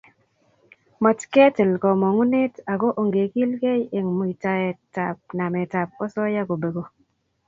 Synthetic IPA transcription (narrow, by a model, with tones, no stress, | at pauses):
mɔ˨tkɛ˦tɪ˨lkɔ˨mɔ˨ŋu˦ne˦ta˨ko˦ʔo˨ŋɡe˨ki˦lke˦je˨ŋmo˨i˨ta˨e˨ta˨p̚na˨me˨ta˨p̚ɔ˦sɔ˦ja˦ko˨be˨ɡo˨